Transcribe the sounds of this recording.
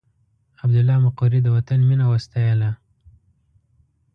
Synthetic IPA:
ab̚d̪ʊlːɑmaquɾid̪əwat̪anminawast̪ajəla

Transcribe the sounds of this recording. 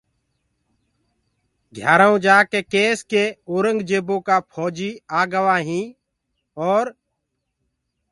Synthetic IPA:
ɡʱjaːɾaũːd͡ʒaːkeːkeːskeːoːɾəŋɡd͡ʒeːbõːkaːpʰoːd͡ʒiːaːɡəʋaːɦĩː | ɔːɾ

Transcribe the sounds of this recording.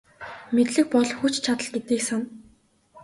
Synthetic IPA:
met̪ɮɘ̆k̚pɔɮxut͡ɕt͡ɕʰat̪ə̆ɮɡet̪iːksan

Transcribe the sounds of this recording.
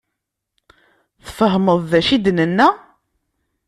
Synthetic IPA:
θfəɦməðˤðæʃid̪nənːæ

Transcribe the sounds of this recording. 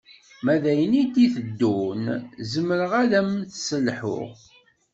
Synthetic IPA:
mæðæjənit̪ːiθəd̪ːunzəmːəɾəʁæðæmθsəlːħʊ̰ʁ

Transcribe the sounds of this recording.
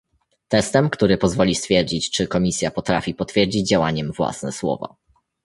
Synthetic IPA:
t̪ɛst̪ɛmkt̪uɾɘpɔzvɔlʲist̪fʲjɛɾd͡ʑit͡ɕt͡ʂɘkɔmʲisʲjapɔt̪ɾa̰fʲipɔt̪fʲjɛɾd͡ʑid͡ʑd͡ʑawa̰ɲɛmvwa̰snɛswɔ̰va̰

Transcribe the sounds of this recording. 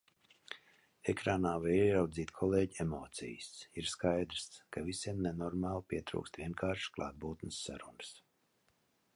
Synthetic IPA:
ekɾaːnaːvaɛɾawd̪ziːt̪kʰɔleːɟemoːt̪sʲḭjəsiɾskajd̪ɾskavisʲiɛmnenɔɾmaːlˠpʲiɛt̪ɾṵːkst̪vʲiɛnkʰaːɾʃklˠa̰ːd̪̚buːt̪nɨsːa̰ɾunɨs

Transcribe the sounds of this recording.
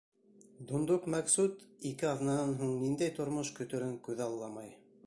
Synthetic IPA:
d̪ond̪oqmæksut̪ikɘɑðnɑnɑnɦuɴnind̪æjt̪ŏɾmoʃkɵ̆t̪ɵ̆ɾɘŋkʉðɑlˠːɑmɑj

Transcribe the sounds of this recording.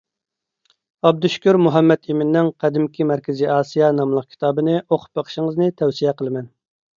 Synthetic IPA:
ɑb̚d̪yʃkʲyɾmuɦɛmːɛt̪ʰemɪnːɪŋqʰæd̪ɪmkʲʰimæɾkʲɪziɑːsijɑnɑmlˠəq̚kʲʰi̥t̪ʰɑːbɨnɨʔoqʰʊ̥p̚bɑqʰə̥ʃɪŋəznɨt̪ʰɛwsijɛqəlˠɨmɛn

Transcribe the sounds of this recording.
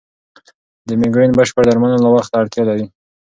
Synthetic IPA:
d̪əmɪɡɾinbəʃpəɾd̪aɾmanalawaxt̪aɽt̪jɑlawi

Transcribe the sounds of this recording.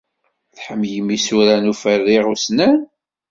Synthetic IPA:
θħəmːjəmːisuɾænufərːiʁusnæn

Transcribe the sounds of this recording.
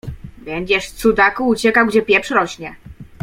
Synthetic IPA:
bɛɲd͡ʑɛʂft̪sud̪akuːt͡ɕɛkawɡd͡ʑɛpʲjɛfʂɾɔɕɲɛ

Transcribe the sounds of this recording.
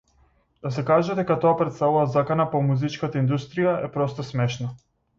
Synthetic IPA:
d̪̥asɛkaʒad̪ɛkat̪ɔapɾɛt̪st̪avuvazakanapɔmuzit͡ʃkat̪aind̪ust̪ɾijaɛpɾɔst̪ɔsmɛʃna

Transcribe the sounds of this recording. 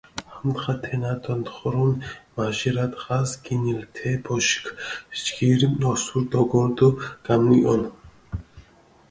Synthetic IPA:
hamt̪χat̪ʰɛnad̪ɔnt̪χɔɾɔnmaʒiɾad̪ʁasɡinilt̪ʰɛbʰɔʃkʰt͡ʃɡiɾimɔsuɾd̪ɔɡɔnt̪uɡ̥amniʔɔn

